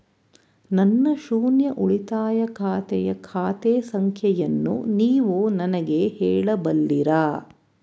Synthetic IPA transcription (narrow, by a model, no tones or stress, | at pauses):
nɐnːɐʃuːnjɐʔuɭit̪aːjɐkʰaːt̪ɛjɐkʰaːt̪ɛːsɐŋkʰjɐjɐnːṵniːʋoːnɐnɐɡehɛːɭɐbɐlːiɾaː